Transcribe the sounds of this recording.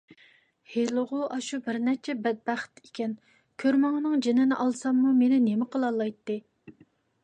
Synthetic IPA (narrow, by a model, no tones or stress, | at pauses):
helˠɨʁʊʔɑʃubɪɾnɛt͡ʃʰɛbɛd̪̚bæχt̪e̥kʲɛn | kʲʰøɾmɑŋnɨŋd͡ʒenɪnɪʔɑlˠsɑmːumenɪnemɪqəlˠɑlˠːɑjt̪ːɨ